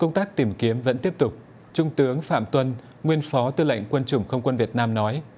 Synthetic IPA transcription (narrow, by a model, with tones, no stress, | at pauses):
kə˧wŋ͡mt̪aː˦˥k̚t̪i˧˩mki˨˦əmvə̰˧˥nt̪i˦˥əp̚t̪ʊ˨˩k͡p̚ | t͡ɕʊ˧ŋ͡mt̪ɨ˨˦əŋfa̰ː˧˨mt̪wə˧n | ŋwi˧ənfɔ˨˦t̪ɨ˧la̰˧˨jŋ̟kwə˧nt͡ɕʊ˨˧˩ŋ͡mxə˧wŋ͡mkwə˧nvi˨˩ət̚naː˧mnɔ˨˦j